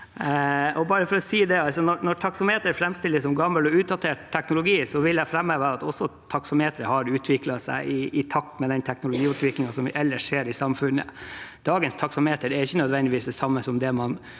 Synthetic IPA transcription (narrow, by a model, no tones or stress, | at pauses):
ʔɔbɑːɾəfɔɾɔsiːd̪ɛɑlsɔnɔɾnɔʈʰɑksɔmheːt̪əɾfɾɛmst̪ɪlːəsɔmɡɑmːəlɔʉːt̪̚d̪ɑt̪ʰeːʈt̪ʰːɛknʊlʊɡiːsɔʋɪlæɪfɾɛmːəʋæːɾɑt̪ɔsːɔt̪ʰɑksɔmheːt̪əɾəhɑɾʉːt̪ʰʋɪklɑsæ̰ɪʔɪɪt̪ʰɑk̚t̪mɛd̪ɛnt̪ʰɛknʊlʊɡiːʉt̪ʰʋɪklɪŋɑsɔmʋʔɛlːəʂʂeːɾɪsɑmfʉnːə̰d̪̥ɑːɡənst̪ʰɑksɔmheːt̪əɖɛɾɪçːənœd̪ʋɛnd̪ɪʋiːsd̪ɛsɑmːəsɔmd̪ɛmɑn